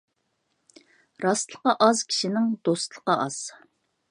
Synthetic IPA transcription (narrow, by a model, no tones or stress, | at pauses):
ɾɑst̪lˠəqɑʔɑzkʲʰi̥ʃinɪŋd̪̥ost̪lˠə̥qɑʔɑz̥